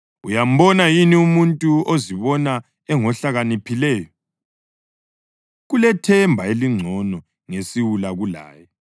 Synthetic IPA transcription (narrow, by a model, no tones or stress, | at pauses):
ujam̩βɔnajiniumuntʼuoziβɔna | ɛŋɔɬaɣanipʰilɛːjɔ | ɣulɛtʰɛmbʱaeliŋ͡ǀʱɔnɔ | ŋesiwulaɣula̰ːjɔ